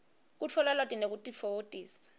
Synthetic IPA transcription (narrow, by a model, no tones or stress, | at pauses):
k̬ut͡ɬʰɔlɛlwatʼinek̬utʼifotʼiːsḁ